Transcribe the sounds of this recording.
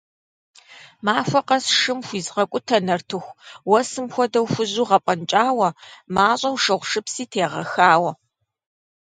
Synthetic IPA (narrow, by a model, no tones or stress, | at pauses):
maːfʷɐqɐsʂɨmxʷiːzʁɐkʷʼʊtʰɐnɐrtʰɨxʷwɔsɨmxʷɔdɐwxʷʊʑuːʁɐpʼɐnt͡ʃʼaːwɐmaːɕʼɐwʂɐʁʷʂɨpsiːtʰeːʁɐ̰xaːwɐ